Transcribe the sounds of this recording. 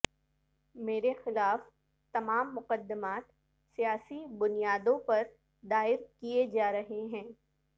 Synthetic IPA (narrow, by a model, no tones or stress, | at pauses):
meːɾexɪlaːf | t̪ɐmaːmːʊqəd̪ːəmaːt̪ | sijaːsibʊnijaːd̪õpɐɾ | d̪aːɪɾkied͡ʒaːɾɐɦeɦɛ̃ː